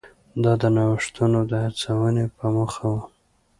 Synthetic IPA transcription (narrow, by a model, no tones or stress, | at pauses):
d̪ɑd̪ənɑwʂt̪unod̪əhaɾt͡sawənepəməxawə